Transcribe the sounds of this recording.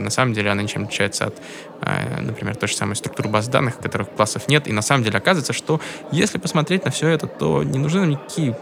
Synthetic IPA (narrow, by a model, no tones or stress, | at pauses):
nɐsaməmdʲelʲɪɐnanʲɪt͡ɕemlʲɪt͡ɕɕæjɪt̪sə̰ɐ̰t̪ | ə̰nəpɾʲɪmʲert̪ojʐə̥sa̰məjst̪ɾʊ̥kt̪uɾɨbazd̪a̰nːɨxkɐt̪oɾɨxklˠasːəfnʲet̪inɐsaməmdʲelʲɪɐkazəvəɪt̪səʂt̪o̞ | jesʲlʲɪpəsmɐt̪ɾʲet̚ʲnəfsʲoɛt̪ət̪o̞̰nʲɪnʊʐnɨnamnʲɪkɐkʲʰijə